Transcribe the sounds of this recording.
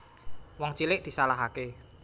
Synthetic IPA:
wɔŋt͡ʃilɪʔd̪̥i̤salaɦake

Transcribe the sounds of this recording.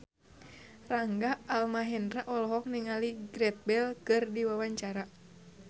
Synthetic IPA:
raŋɡaːlmaɦɛndɾaʔɔlɔɦɔk̚niŋaliɡɾɛt̪̚bɛlkɨrdiwawaɲt͡ʃaɾa

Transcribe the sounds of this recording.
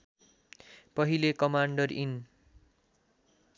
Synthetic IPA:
pʌɦilekʌmaɳɖʌrin

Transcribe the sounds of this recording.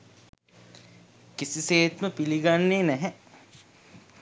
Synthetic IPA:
kisiseːt̪məpiliɡanːeːnɛɦɛ

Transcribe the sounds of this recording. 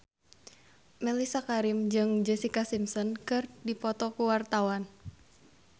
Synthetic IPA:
mɛlisakaɾimd͡ʒɨŋd͡ʒɛsikasimsɔnkɨrdipɔt̪ɔkuwart̪awan

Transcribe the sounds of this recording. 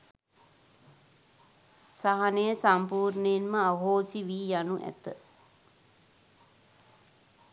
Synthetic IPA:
saɦanəjəsampuːɾnəjenməaɦoːsiʋiːjanuʔæ̰t̪ə

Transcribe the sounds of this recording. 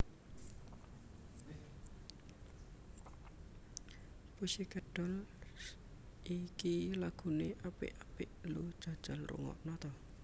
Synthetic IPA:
pusiɡəɖ̥ɔ̤l | ʔikilaɡ̥ṳneʔapɪ̰ʔapɪʔlud̥ʒ̥a̤d̥ʒ̥alrṵŋɔ̰ʔnɔt̪ɔ

